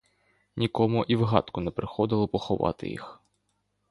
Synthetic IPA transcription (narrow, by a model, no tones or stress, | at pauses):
nʲikɔmʊʔiwɦɑ̰t̪kʊnɛpɾɪxɔd̪ɪlˠɔpɔxɔʋɑ̰t̪ɪ̰jḭx